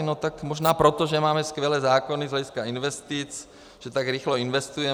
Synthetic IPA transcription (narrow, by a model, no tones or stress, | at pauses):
not̪akmoʒnaːpɾot̪oʒɛmaːmɛskʋɛlɛːzaːkonizɦlɛɟiskainʋɛst̪it͡s | ʒ̥ɛt̪aɡɾixloinʋɛst̪ujɛ